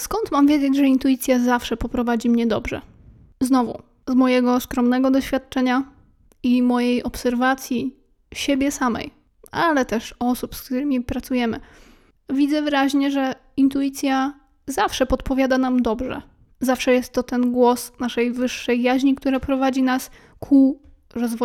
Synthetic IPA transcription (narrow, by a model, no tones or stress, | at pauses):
skɔnt̪mamvʲjeɛd͡ʑed͡ʑʐɛint̪ujit̪sʲjazafʂɛpɔpɾɔvad͡ʑimɲɛd̪ɔ̰bʐɛ̰ | znɔvṵ | zmɔjɛɡɔskɾɔmnɛɡɔd̪ɔɕfʲjat̪̚t͡ʂɛɲa | imɔjejʔɔpsɛɾvat̪sʲji | ɕɛbʲjɛsamɛ̰j | alɛt̪ɛʂɔsupskt̪uɾɘmʲipɾat̪sujɛmɘ̰ | vʲid̪zɛvɘɾaʑɲɛʐɛ | int̪ujit̪sʲja | zafʂɛpɔt̪pɔvʲjad̪anamd̪ɔbʐɛ̰ | zafʂɛjɛst̪ːɔt̪ɛnɡwɔsnaʂɛjvɘʂːɛjːaʑɲik̚t̪uɾapɾɔvad͡ʑinas | kʰu | ɾɔzvɔ